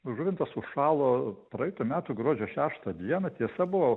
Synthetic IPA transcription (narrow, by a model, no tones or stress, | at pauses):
ʒʊʋʲɪnt̪ɐsʊʃʃɑːlˠoːpɾɐɪt̪umʲæːt̪ʊɡɾuɔd͡ʒʲoːʃʲæːʃt̪ɐd̪ʲiɛnɐt̪ʲiɛsɐbʊʋoː